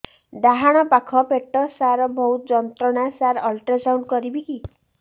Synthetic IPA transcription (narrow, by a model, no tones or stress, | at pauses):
ɖaɦaɽ̃ɔpakʰɔpeʈːɔsaɾɔbʱɔut̪d͡ʒɔnt̪ɾɔɽ̃asaɾɔlʈasawɳɖkɔɾibiki